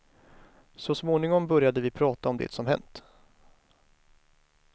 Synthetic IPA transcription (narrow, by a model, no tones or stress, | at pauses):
sɔsmoːnɪŋɔmbœɾjad̪əvɪpʰɾɑːt̪aɔmd̪ḛːt̪sɔmɦɛ̰nt̪